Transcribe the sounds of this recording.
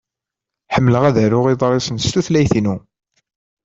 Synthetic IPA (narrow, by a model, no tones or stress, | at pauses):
ħəmːləʁæðəɾʊʁiðˤɾˤesˤənst̪uθlæjθinu